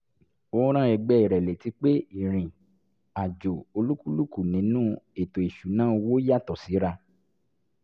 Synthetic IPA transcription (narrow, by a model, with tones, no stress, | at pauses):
o˦ɾ̃ã˦ɛ˧ɡ͡bɛ˧˦i˨ɾɛ˨le˨ti˨˦k͡pe˦i˦˨ɾ̃ĩ˨ | a˨d͡ʒo˨o˧lu˦ku˦lu˦ku˦˨nĩ˨˦nũ˦e˨to˨i˨ʃu˨˦nã˦o˧wo˦ja˦˨tɔ˨si˨˦ɾa˧